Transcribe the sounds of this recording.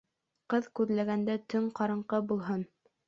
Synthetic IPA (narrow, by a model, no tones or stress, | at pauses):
qɤðkʉðlæɡænd̪æt̪ɵŋqɑɾɤ̆ɴqɤbulˠɦɤn